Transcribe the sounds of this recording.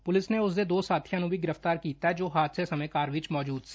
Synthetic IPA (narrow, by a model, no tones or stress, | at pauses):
pʊlɪsneʊsd̪ed̪oːsaːt̪ʰijãnũbʱiɡɪɾəft̪aːɾkiːt̪aɦɛd͡ʒoːɦaːt̪sesɐməejkaːɾʋɪt͡ʃmɔːd͡ʒuːd̪s